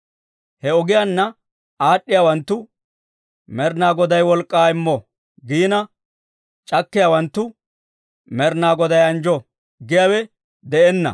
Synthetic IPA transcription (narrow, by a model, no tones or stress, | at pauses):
hɛɔɡɪjanːɐ | aːɗːɪjaːwɐnt̪ːʊ | mɛɾnaːɡɔd̪ɐjwɔlkʼːaːɪmːɔ | ɡiːnɐ | t͡ʃʼɐkːɪjawɐnt̪ːʊ | mɛɾnaːɡɔd̪ɐjɐnd͡ʒɔ | ɡɪjaːwɛ | d̪ɛɛnːɐ̰